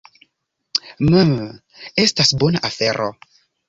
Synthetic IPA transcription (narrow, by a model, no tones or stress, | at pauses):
məm | e̞stasbonaʔafe̞ɾʔo̞̰